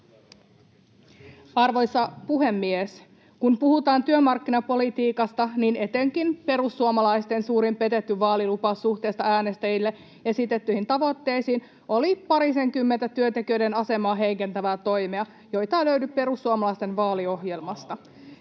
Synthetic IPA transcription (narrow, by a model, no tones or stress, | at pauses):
ɑrʋo̞jsɑpuɦe̞mːies | kumpuhut̪ɑːnt̪yømɑrkːinɑpo̞lit̪iːkɑst̪ɑnine̞t̪eŋkinpe̞ɾusːuomɑlɑjst̪ensuːɾimpet̪et̪ːyʋɑːlilupɑsuht̪e̞ːst̪ɑæːne̞st̪æjilːe | e̞sit̪et̪ːyhint̪ɑʋo̞t̪ːe̞jsiːn | ʔo̞lipɑɾiseŋkymːent̪æt̪yønt̪e̞kiø̞jde̞nɑse̞mɑːɦe̞ike̞nt̪æʋæːt̪o̞jmeɑ | jo̞jt̪ɑːløɥdyppe̞ɾusːuomɑlɑist̪e̞nʋɑːlio̞ɦjelmɑst̪ɑ